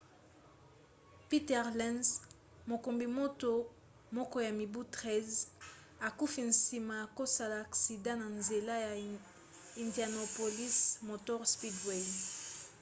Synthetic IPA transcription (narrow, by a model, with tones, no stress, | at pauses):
pi˦tɛ˨ʁlɛ̃˦nz | mo˨ko˨mbi˨mo˦to˦ | mɔ˦kɔ˦ja˨mi˨bu˦tʁɛ˦z | a˨ku˦fi˨n̩si˨ma˨ja˨ko˦sa˦la˨a˨ksi˨dã˦na˨nze˨la˦ja˨ | i˨nda˨no˨po˨li˦smo˨tɔ˦ʁspi˦dwe˦˨